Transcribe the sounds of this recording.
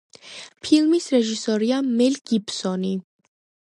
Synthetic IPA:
pʰilˠmisɾɛʒisɔɾiamɛlɡ̥ipsɔni

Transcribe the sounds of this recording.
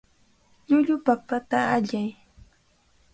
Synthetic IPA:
ʎʊʎʊpapat̪aaʎaj

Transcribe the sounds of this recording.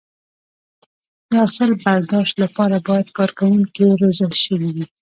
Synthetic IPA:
d̪̥əasəlbaɾd̪ɑʃt̪lapɑɾabɑjad̪kɑɾkawuŋkiɾozəlʃəwiwi

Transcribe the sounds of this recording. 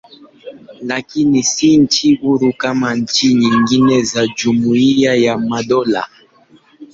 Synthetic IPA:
lakinisint͡ʃiuɾukamant͡ʃiɲiŋɡinɛzad͡ʒumuiajamaɗɔla̰

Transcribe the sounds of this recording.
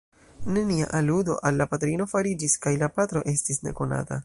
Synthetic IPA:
ne̞nia̰ʔaludo̞̰ʔalːapatɾino̞faɾid͡ʒiskajlapatɾo̞ʔe̞stisne̞̰ko̞na̰ta̰

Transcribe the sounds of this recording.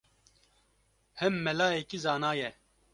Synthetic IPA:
hɛmːɛlaːjeːkizaːnaːjɛ

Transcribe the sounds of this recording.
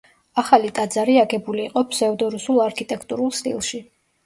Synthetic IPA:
aχalit̪ʼad̪zaɾiaɡɛbuliːqʼɔpʰsɛud̪ɔɾusulˠaɾkʰit̪ʼɛkʰt̪ʼuɾulˠst̪ʼḭlˠʃi

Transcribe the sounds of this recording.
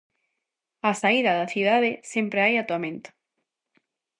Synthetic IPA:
asaiðɐðaθiðaðesempɾeajat̪uamẽnt̪ʊ̥

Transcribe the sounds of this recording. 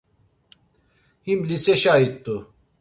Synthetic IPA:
himlisɛʃait̪ʼːu

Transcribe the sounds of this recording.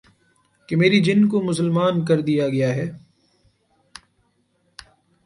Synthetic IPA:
kemeːɾid͡ʒɪnkomʊs̬əlmaːnk̬ɐɾd̪ijaɡɐjaɦɛː

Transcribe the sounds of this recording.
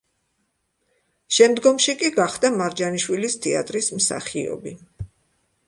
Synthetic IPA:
ʃɛmd̪ɡɔmʃikʼiɡaχd̪amaɾd͡ʒaniʃwilist̪ʰɛa̰t̪ʼɾismsa̰χiɔ̰bi

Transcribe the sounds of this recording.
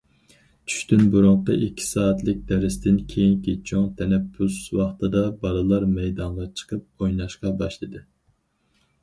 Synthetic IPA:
t͡ʃʰy̥ʃt̪ynbuɾʊɴqəʔikʲʰːi̥sɑːɛt̪lˠɪk̚ʲd̪̥ɛɾɪst̪ɪnkʲʰejiŋkʲit͡ʃʰoŋt̪ʰɛnɛpʰːuswɑχt̪ɨd̪ɑbɑlˠɨlˠɑɾmɛjd̪ɑɴʁɑt͡ʃʰə̥qəp̚ojnɑʃqɑbɑʃlˠɨd̪ɨ

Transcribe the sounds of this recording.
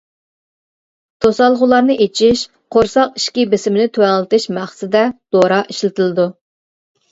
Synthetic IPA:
t̪ʰosɑlˠʁʊlˠɑɾnɨʔet͡ʃʰiʃ | qʰoɾsɑqi̥ʃkʲibɪsɪmɪnɪt̪ʰøwɛŋlˠɨt̪ɨʃmæχsɪd̪ɛd̪̥oɾɑʔiʃlɪt̪ʰɪlˠɨd̪u

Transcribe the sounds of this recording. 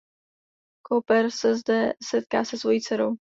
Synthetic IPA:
kʰopɛɾsɛzdɛsɛt̪̚ka̰ːsɛsvo̞jit͡sɛɾow

